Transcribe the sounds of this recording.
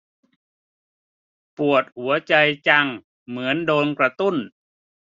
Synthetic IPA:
pu˨˩ət̪̚hu˩˦ɐt͡ɕa˧jt͡ɕa˧ŋ | mɯ˩˦əndoː˧nkɾa˧t̪u˥˩n

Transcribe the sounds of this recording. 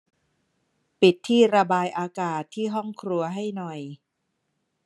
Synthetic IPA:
pi˨˩t̪ʰːiː˥˩ɾa˧baː˧jʔaː˧kaː˨˩t̪ʰːiː˥˩ɦɔ˥˩ŋkʰɾu˧ɐɦa˥˩jnɔ˨˩j

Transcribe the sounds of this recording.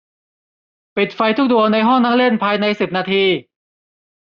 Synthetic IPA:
pi˨˩t̪̚fa˧jt̪ʰu˦˥k̚du˧ɐna˧jɦɔ˥˩ŋna˥˩ŋle˥˩npʰaː˧jna˧jsi˨˩p̚naː˧t̪ʰiː˧

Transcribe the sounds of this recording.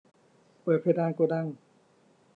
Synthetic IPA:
pɤː˨˩t̪̚pʰe˧daː˧nku˧da˥˩ŋ

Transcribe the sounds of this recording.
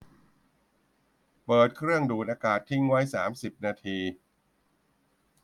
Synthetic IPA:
pɤː˨˩t̪̚kʰɾɯ˥˩əŋduː˨˩t̪̚ʔaː˧kaː˨˩t̪ʰːi˥˩ŋwa˦˥jsaː˩˦msi˨˩p̚naː˧t̪ʰiː˧

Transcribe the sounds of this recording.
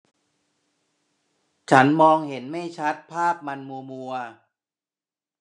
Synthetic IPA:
t͡ɕʰa˦˥nmɔː˧ŋhe˩˦nma˥˩jt͡ɕʰa˦˥t̪̚pʰaː˥˩p̚ma˧nmu˧mu˧ɐ

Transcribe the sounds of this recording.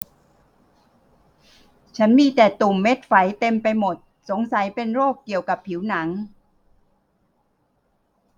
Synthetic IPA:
t͡ɕʰa˦˥nmiː˧t̪ɛː˨˩t̪u˨˩mːe˦˥t̪̚fa˩˦jt̪e˧mpa˧jmo˨˩t̪̚so˩˦ŋsa˨˩˦jpe˧nɾoː˥˩kːi˨˩əwka˨˩pʰːi˩˦wna˩˦ŋ

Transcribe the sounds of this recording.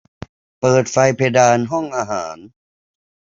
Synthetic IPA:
pɤː˨˩t̪̚fa˧jpʰe˧daː˧nɦɔ˥˩ŋʔaː˧ɦaː˩˦n

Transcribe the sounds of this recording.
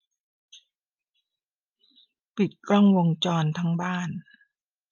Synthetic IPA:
pi˨˩t̪̚klɔ˥˩ŋwo˧ŋt͡ɕɔː˧nt̪ʰa˦˥ŋbaː˥˩n

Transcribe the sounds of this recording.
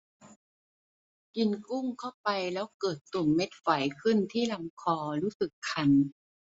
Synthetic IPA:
ki˧nku˥˩ŋkʰa˥˩wpa˧jlɛː˦˥wkɤː˨˩t̪ːu˨˩ŋme˦˥t̪̚fa˨˩˦jkʰɯ˥˩nt̪ʰiː˥˩la˧˦mkʰɔː˧ɾuː˦˥sɯ˨˩kʰːa˧n

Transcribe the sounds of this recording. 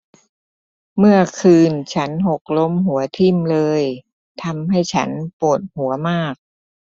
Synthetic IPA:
mɯ˥˩ɐkʰɯː˧nt͡ɕʰa˦˥nɦo˨˩k̚lo˦˥mɦu˩˦ɐt̪ʰi˧˩mlɤː˧j | t̪ʰa˧mɦa˥˩jt͡ɕʰa˦˥npu˨˩ət̪̚hu˩˦ɐmaː˥˩k̚

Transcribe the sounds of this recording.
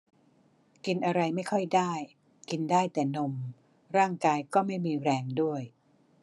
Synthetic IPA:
ki˧nʔa˧ɾa˧jma˥˩jkʰɔ˥˩jdaː˥˩j | ki˧ndaː˥˩jt̪ɛː˨˩no˧m | ɾaː˥˩ŋkaː˧jkɔː˥˩ma˥˩jmiː˧ɾɛː˧ŋdu˥˩əj

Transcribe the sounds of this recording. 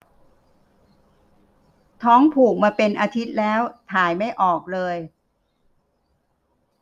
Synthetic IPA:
t̪ʰɔː˦˥ŋpʰuː˨˩k̚maː˧pe˧nʔaː˧t̪ʰi˦˥t̪̚lɛː˦˥wt̪ʰaː˨˩˦jma˥˩jʔɔː˨˩k̚lɤː˧j

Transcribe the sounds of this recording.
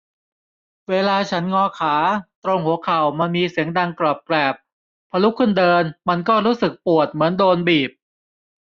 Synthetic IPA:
weː˧laː˧t͡ɕʰa˦˥nŋɔː˧kʰaː˩˦t̪ɾo˧ŋhu˨˩˦əkʰa˨˩wmaː˧miː˧si˩˦əŋda˧ŋklɔː˨˩p̚klɛː˨˩p̚ʰː | a˧lu˦˥kʰːɯ˥˩ndɤː˧nma˧nkɔː˥˩ɾuː˦˥sɯ˨˩k̚pu˨˩ət̪̚mɯ˩˦əndoː˧nbiː˨˩p̚

